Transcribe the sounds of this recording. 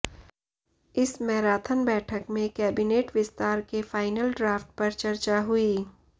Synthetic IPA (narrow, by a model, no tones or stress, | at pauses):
ɪsmɛɦɾaːt̪ʰənbɛːʈʰəkmẽkɛːbɪneːʈʋɪst̪aːɾkefaːɪnəlɖɾaːfʈ̚pɐɾt͡ʃɐɾt͡ʃaɦʊiː